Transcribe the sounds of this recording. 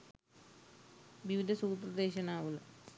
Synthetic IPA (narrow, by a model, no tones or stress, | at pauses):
ʋiʋid̪ʱɐsuːt̪rɐd̪eːɕɐnaːʋulːɐ